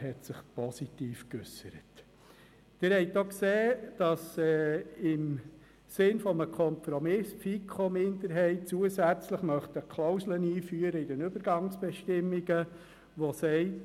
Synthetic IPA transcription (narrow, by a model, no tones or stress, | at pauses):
hɛt̪sɪχpɔsit̪iːfkʏ̰sːəɾət | d̥ɪɾhɛɪtokseːd̥ɑsɛɪm | sɪnfɔməkʰɔmpɾɔmɪsfikʰomɪndəɾɦɛɪt̚t͡suəsæt͡sləχmœχtəkʰlɔʊsləniːfyːəɾəɪdɛnʏbəɾɡɑŋsb̥ɛʃtɪmːiɡ̥ə | ʋɔsɛɪt